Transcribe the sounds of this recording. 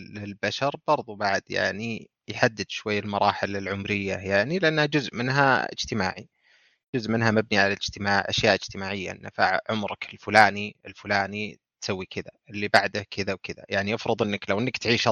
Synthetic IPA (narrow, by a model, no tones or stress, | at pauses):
lɪlbaʃɑɾˤb̥ɑɾˤðˤubaʕd̪ja̰ʕni | jħad̪ːɪd̪̥ʃwajːalmɑɾˤɑːħɪlɪlʕʊmɾɪjːajaʕnilɪʔanːhad͡ʒʊzʔmɪnɦa̰ɪ̰d͡ʒt̪ɪma̰ːʕḭ | d͡ʒʊzʔmɪnɦamabniʕalalɪd͡ʒt̪ɪmaːʕʔa̰ʃjaːʔɪd͡ʒt̪ɪmaːʕɪjːa̰ʔɪ̰nːafa̰ʕʕʊmɾɑkɪlfʊlaːniɪlfʊlaːnit̪sawːikɪd̪a̰ɪlːibaʕd̪akʰɪðawkɪd̪a̰jaʕniʔɪfɾɨðˤʔɪnːaklawʔɪnːakt̪ʕiːʃ